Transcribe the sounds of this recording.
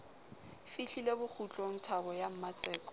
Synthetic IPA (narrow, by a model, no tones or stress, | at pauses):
fiɬilebʊk͡xʰut͡ɬʼɔn̩tʰabɔjam̩mat͡sʼɛːkʼɔ̥